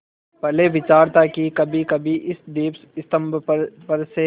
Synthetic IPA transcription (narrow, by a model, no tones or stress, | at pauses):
pɛɦleʋɪt͡ʃaːɾt̪akikɐbʱikɐbʱiʔɪsd̪iːpɪst̪əmbpɐɾse